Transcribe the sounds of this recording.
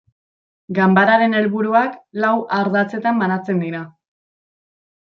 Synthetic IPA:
ɡambaɾaɾe̞ne̞lβuɾuaklawʔaɾðat͡se̞t̪ambanat͡se̞nd̪iɾa

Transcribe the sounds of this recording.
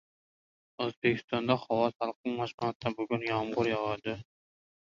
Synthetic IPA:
ɵzbekʲʰɪ̥st̪ɑnd̪ɑχɒwɑt̪ɑlˠq̪ɨŋmɑʃmɑt̪t̪ːabʊɡʲʊnjɑmʁʊɾjɑʁɑd̪ɪ

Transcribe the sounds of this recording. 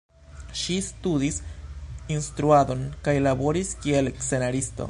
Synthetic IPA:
ʃistudis | instɾuado̞nkajlabo̞ɾiskie̞lkse̞naɾisto̰

